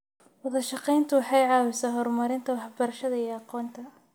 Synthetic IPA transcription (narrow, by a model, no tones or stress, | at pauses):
wɐðɐʃɑqɛjnt̪ʰʊwɑħɑjʕɑːwɪsaːɦɔrmɐɾɪnt̪ʰɐwɑħbɐɾɐʃɐðɐijɑqɔːnt̪ʰɐ